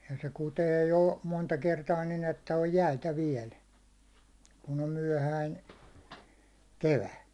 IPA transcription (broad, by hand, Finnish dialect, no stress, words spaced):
jɑ se kuteː jo montɑ kertɑː nin etːæ oj jæitæ ʋiɛl kun om myæ̹hæin̞ keʋæ